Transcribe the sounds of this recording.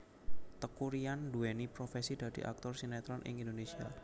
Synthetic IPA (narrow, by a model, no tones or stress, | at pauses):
t̪əkuɾianduɛnipɾofɛsid̪̥a̤d̪̥i̤ʔa̰k̚t̪ɔrsinɛt̪ɾɔnʔɪ̰ŋind̪onesia̰